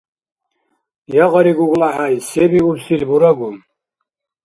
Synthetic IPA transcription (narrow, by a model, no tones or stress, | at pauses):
jaʁəɾiɡuɡlaħajsɛbiuɾsilbuɾaɡu